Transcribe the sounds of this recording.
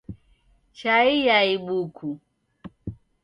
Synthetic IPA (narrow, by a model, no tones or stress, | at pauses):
t͡ʃaijaiɓukʰu